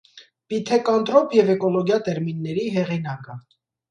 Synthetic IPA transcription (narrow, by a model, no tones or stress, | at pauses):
pit̪ʰɛkɑnt̪ɾɔpjɛvɛkɔlɔɡjɑt̪ɛɾminːɛɾiɦɛʁinɑkə